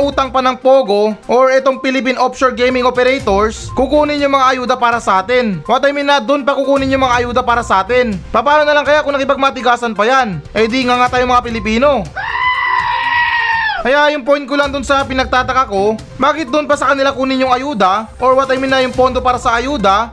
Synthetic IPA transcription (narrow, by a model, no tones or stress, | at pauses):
ʔuːt̪ɐŋpɐnɐŋpo̞ːɡo̞ʔoɹɛt̪o̞ŋpɪlɪp̬inʔopʃoɹɡejmɪŋʔopɛɾɛjt̪o̞ɹs | kukuːnɪnjʊŋmɐŋaʔɐjuːd̪ɐpaːɾɐsɐʔaːt̪ɛnwɐt̪ajmɪnɐd̪ʊnpɐkukuːnɪnɲjʊŋmɐŋaʔɐjuːd̪ɐpaːɾɐsɐʔaːt̪ɛnpapaːlonɐlaŋkɐjakʊŋnɐkɪpɐɡ̚mat̪ɪɡaːsɐnpɐjanʔɐjd̪iŋaŋat̪aːjʊŋmɐŋapɪlɪpiːno̞ | kɐjaʔjʊŋpojn̚kʊlɐŋd̪ʊnsɐpɪnɐɡ̚t̪aːt̪ɐkako̞ | baːkɪt̪̚d̪ʊnpɐsɐkɐnɪlakuːnɪɲjʊŋɐjuːd̪ɐʔoɹwɐt̪ajmɪnːɐjʊŋpo̞nd̪o̞paːɾɐsɐɐjuːd̪ɐ